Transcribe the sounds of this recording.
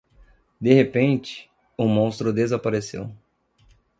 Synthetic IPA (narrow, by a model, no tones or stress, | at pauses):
d̪ehepẽnt͡ʃɪ̥ | ʊmõst̪ɾʊd̪ezapaɾesḛw